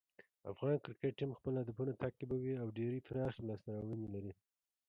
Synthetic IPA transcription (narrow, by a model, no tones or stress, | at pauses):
a̰fɣɑnkɾɪkeʈ̚ʈːimxpəlad̪apunat̪ʰakːibawiawɖeɾit̪ɾɑxlɑsnaɾawənilaɾi